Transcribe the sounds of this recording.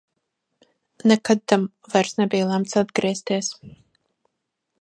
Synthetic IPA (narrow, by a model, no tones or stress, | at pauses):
nɛkad̪̚t̪am | vajɾsnɛbijlˠamt̪sad̪̚ɡɾiɛst̪iɛs